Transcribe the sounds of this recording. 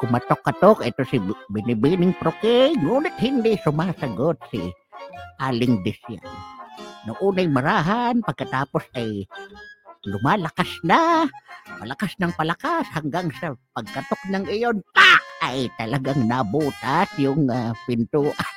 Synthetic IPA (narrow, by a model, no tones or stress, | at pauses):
kʊmɐt̪okːat̪okʔɛt̪osɪbɪnɪbiːnɪŋpɾokɛŋuːnɪt̪̚hɪnd̪ɪsʊmaːsɐɡot̪̚sɪ̰ | ʔaːlɪŋd̪ɪsja̰nnʊŋʔuːnajmɐɾaːɦanpɐɡ̚kɐt̪aːposɐj | lʊmaːlɐkasna | mɐlakasnɐŋpɐlɐkashaŋɡaŋsɐpɐɡ̚kɐt̪ok̚nɐŋʔɪjont̪aʔajt̪ɐlɐɡaŋnabuːt̪asjʊŋapɪnt̪uːʔan